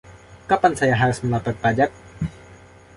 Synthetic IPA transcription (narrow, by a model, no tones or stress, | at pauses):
kapansajaɦaɾsməlapət̪̚pad͡ʒak̚